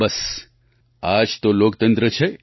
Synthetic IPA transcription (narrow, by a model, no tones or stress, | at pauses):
bɐs | aːd͡ʒt̪oloːk̚t̪ə̃nt̪ɾət͡ʃʰe